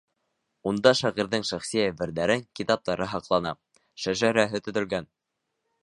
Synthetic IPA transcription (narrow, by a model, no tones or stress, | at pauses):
und̪ɑʃɑʁiɾðɘŋʃæχsijææbɘ̆ɾðæɾɘŋkit̪ɑp̚t̪ɑɾɤɦɑqlˠɑnɑ̰ | ʃæʒæɾæɦɘt̪ɵ̆ðɵ̆lɡæn